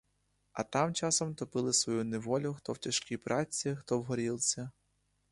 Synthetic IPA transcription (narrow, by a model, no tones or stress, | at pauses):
ɐt̪ɑmt͡ʃɑsɔmt̪ɔpɪlˠɪsʋɔjuneʋɔlʲʊxt̪ɔwtʲɐʃkʲipɾʔɑt͡sʲixt̪ɔwɦɔɾʲilˠsʲɐ